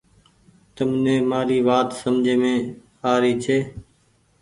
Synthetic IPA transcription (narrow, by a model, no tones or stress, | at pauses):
t̪əmnẽːmaːɾiːʋaːt̪səmd͡ʒʱeːmẽː | aːɾiːt͡ʃʰeː